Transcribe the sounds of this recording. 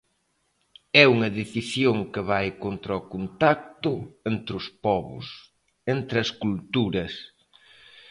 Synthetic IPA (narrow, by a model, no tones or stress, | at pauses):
ɛuŋɐðeθisjoŋkɪβajkont̪ɾɐɔkont̪ak̚t̪ʊent̪ɾʊspɔβʊ̰s | ent̪ɾɐskult̪uɾɐs